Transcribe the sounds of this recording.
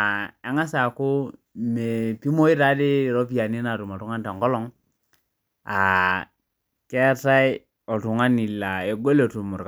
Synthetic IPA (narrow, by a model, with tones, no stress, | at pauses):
a˨a˦ŋa˦sa˨ko˦ | me˨pi˦mo˦i˦ɾa˦de˦˨ɾo˦pi˦ja˨ni˦na˨tu˨ma˨tu˦ŋa˦nta˨ŋkɔ˦lɔ˦ŋ | a˨ | ke˦ta˦i˦ | ɔ˨tu˨ŋa˦ni˨lːa˨e˨ɡo˦lo˨tu˨mu˨ɾk